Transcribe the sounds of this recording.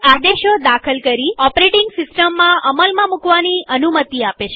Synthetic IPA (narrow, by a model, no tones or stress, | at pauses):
ad̪eʃod̪akʰəlkəɾiɔpɾeʈɪŋɡsɪsʈəmːãʔəməlmãmũkʋaniənumət̪iapet͡ʃʰe